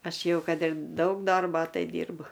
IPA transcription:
ˈɐʃ ˈjɛʊ ˈkɐt ɪr ˈdɐʊk ˈdoːrboː ˈtɐɪ ˈdʲiːrbʊ

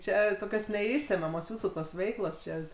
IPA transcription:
ˈt͡ʃʲɛ toːˈkʲoːs nʲɛˈɪʃʲsʲɛmʲɛmoːs ˈjuːsuː toːs ˈʋʲɛɪklˠoːs ˈt͡ʃʲɛ

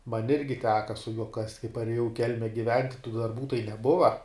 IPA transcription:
mɐnʲ ˈɪrʲɡʲɪ ˈtʲæːkɐ sʊ juɔ kɐsʲtʲ kɐɪ pɐrʲeːˈjɛʊ ɪ ˈkʲɛlʲmʲɛ ɡʲɪˈʋʲɛnt tuː dɐrˈbuː tɐɪ nʲɛˈbʊʋɐ

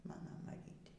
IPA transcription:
ˈmɑːnoː mɐˈrʲiːtʲeː

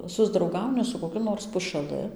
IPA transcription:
sʊzdrɐʊˈɡɐʊnʲɪ sʊ koːˈkʲʊ noːrs pʊʃɐˈlˠɨ

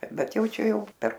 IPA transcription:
ˈbʲɛt ˈjɛʊ ˈt͡ʃʲɛ ˈjɛʊ pʲɛr

